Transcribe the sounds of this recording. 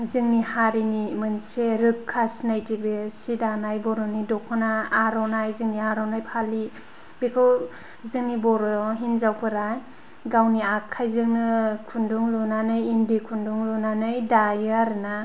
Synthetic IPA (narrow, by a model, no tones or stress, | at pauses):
zɯŋnihaɾinimɯnseɾɯkʰːasnajtibesidanajbɔɾɔnidɔkʰɯnaːɾɔnajzɯŋniaɾɔnajpʰali | bekʰɯw | zɯŋnibɔɾɔɦinzawpʰɯɾaj | ɡawniakʰːajzɯŋnɯkʰunduŋlunanɯjinbikʰunduŋlunanɯjdajaɾna